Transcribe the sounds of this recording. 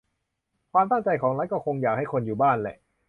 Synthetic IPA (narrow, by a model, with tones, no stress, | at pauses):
kʰwaː˧mt̪a˥˩ŋt͡ɕa˧jkʰɔː˩˦ŋla˦˥jkɔː˥˩kʰo˧ŋjaː˨˩k̚ha˥˩jkʰo˧njuː˨˩baː˥˩nlɛ̰˨˩ʔ